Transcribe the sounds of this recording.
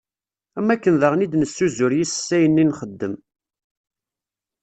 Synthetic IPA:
æmːækːənðəʁnid̪nəsːuzʊɾjisə̥sːæjənːinχəd̪ːəm

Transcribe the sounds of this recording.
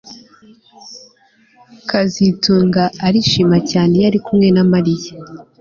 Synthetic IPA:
kazituːŋɡaːɾiʃiːmacaːne̞jaɾikumŋe̞namaɾija

